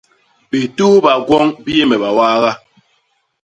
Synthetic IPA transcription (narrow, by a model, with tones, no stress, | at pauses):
bi˨tuː˦ba˨ɡwɔ˦ŋbi˦je˦mɛ˨ba˨waː˦ɣa˦